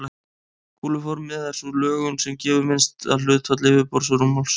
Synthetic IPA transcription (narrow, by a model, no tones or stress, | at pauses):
kʰuːlʏfɔɾmɪðaɾ̥sulœːɣʏnsɛmcɛːvʏmɪnst̪a̰ðl̥ʏt̪fat̪lɪvɪpɔɾ̥s̬ɔɾumɔls